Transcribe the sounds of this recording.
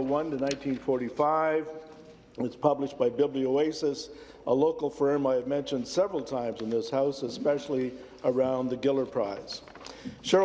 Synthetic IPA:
wʌ̃ntɨnãɪ̃ntʰĩnfɔɹɾifaɪv | ɨtspʰʌbləʃb̥aɪbɪblioʊeɪsɨs | ʔəloʊkl̩ˠfɹɜ̃˞maɪɨvmɛ̃nʃɨ̃nd̥sɛvɹl̩ˠtʰãɪ̃mzɨ̃nðɪshaʊsɨspɛʃl̩ˠi | ə˞ãʊ̃nðɨɡɪlˠə˞pʰɹ̥aɪz̥ | ʃʊ

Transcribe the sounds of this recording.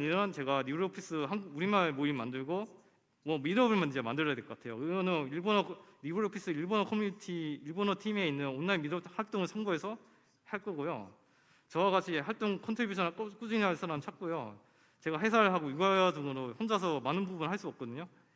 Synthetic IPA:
ɲiɾʌnt͡ɕe̞ɡanibuɭopʰis͈ɯɦaŋɡuɡuɾimaɭmoimandɯɭɡo | mʌmiɾʌbɯɭmanid͡ʑeamandɯɾjadwekʌk͈atʰe̞jo̰kɯɡʌnɯiɭbonʌnibuɾopʰis͈ɯiɭbonʌkʰʌmːuɲitʰiːɭbonʌtʰime̞inːɯnonːaɭmiɾʌhaɭt͈oŋɯɭsʰʌŋɡoe̞sʰʌ | haɭk͈ʌɡojo̰ | t͡ɕʌwaɡat͡ɕʰiɦaɭt͈oŋkʰʌntʰibjuɕʰʌnk͈k͈ud͡ʑinɭɦaɭs͈ʰaɾamt͡ɕʰak̚k͈ojo | t͡ɕe̞ɡaɦe̞s̬ʰaɾɯɭɦaɡoiɡaaduɡɯɾohond͡ʑas̬ʰʌmanɯnbubunhaɭs͈uʌp̚k͈ʌdɯɲo

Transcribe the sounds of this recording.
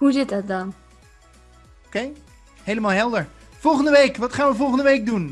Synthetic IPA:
huzɪtdɔt̚dɔn | okej | hejləmaːlˠɦɛlˠdəɹ | fɔlˠχəndəʋejkʋɑtχaːnʋəvɔlˠχəndəʋejk̚dun

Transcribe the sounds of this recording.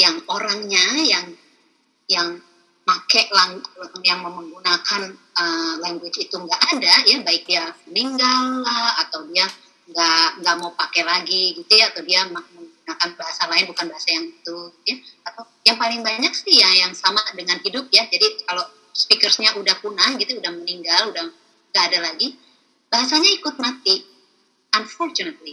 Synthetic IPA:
jaŋoɾaŋɲajaŋ | jaŋ | makɛʔlaŋlkanjaŋməməŋɡunakanəlaŋɡwɪt͡ʃit̪uŋɡaʔadajabaɪk̚diasməniŋɡalːahat̪awdia | ŋɡaʔŋɡaʔmaupakɛlaɡiɡit̪ujaːt̪awdiamaŋməŋɡunakanbaɦasalaɪnbukanbaɦasajaŋit̪ujaat̪a | jaŋpalɪŋbaɲak̚sihjajaŋsamadəŋanhidʊp̚jad͡ʒadikalo | spikərsɲaʔudahkunaŋɡit̪uːdahməniŋɡaludah | ŋɡaʔːdalaɡi | b̥aɦasaɲaikʊt̪̚mat̪i | ʔanfɔrt͡ʃunət̪̚li

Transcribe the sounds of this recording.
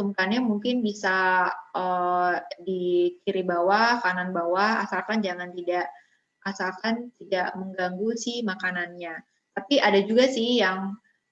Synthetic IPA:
t̪umkanɲamuŋkɪnbisaə | dikiɾibawahkananbawaha̰salkand͡ʒaŋant̪idaʔ | asalkant̪idaʔməŋɡaŋɡusɪhmakananɲa | t̪apiʔadad͡ʒuɡasɪhjaŋ

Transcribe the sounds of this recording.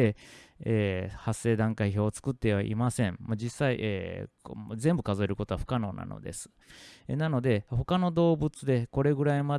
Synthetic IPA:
eeːhasːe̞ːd̪ãŋkaiço̞ːt͡sɨ̥kɯ̟t̪ːe̞βaʔḭmasẽ̞mmod͡ʑisːaiʔeː | zẽ̞mbɯ̟kazoeɾɯ̟ko̞t̪oaɸɯ̟̥kano̞ːna̰no̰d̪e̞̰sɨ̥ | nano̞d̪e̞ho̞kano̞d̪o̞ːbɯ̟t͡sɨd̪e̞ko̞ɾe̞ɡɯ̟ɾaima

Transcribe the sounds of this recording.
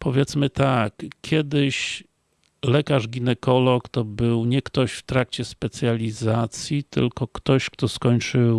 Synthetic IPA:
pɔvʲjɛt̪smɘt̪akkʲːjɛd̪ɘɕ | lɛkaʐɡʲinɛkɔlɔkt̪ɔbɘwɲɛkt̪ɔɕft̪ɾak̚t͡ɕɛspɛt̪sʲjalʲizat̪sʲjit̪ɘ̰lkɔkt̪ɔɕkt̪ɔskɔɲt͡ʂɘw

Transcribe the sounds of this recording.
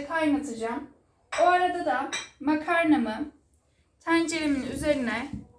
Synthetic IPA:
kʰajmat̪ʰɯd͡ʒaːm | oaɾad̪ad̪amakʰaɾnamɯ | t̪ʰænd͡ʒelemininyze̞ɾinɛ

